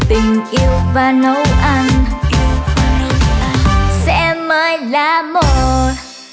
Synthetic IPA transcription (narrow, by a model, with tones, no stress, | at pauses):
t̪ï˨˩ŋ̟ʔi˧əwvaː˧no˨˦wʔa˧n˧ | sɛ̰˧˥məː˨˦jlaː˨˩mo˨˧˩